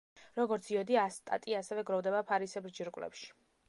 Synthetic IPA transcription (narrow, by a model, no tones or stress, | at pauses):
ɾɔɡɔɾt̪sʰiɔd̪iast̪ʼa̰t̪ʼiasɛvɛɡɾɔvd̪ɛbapʰaɾisɛbɾd͡ʒiɾkʼwlɛ̰pʃi̥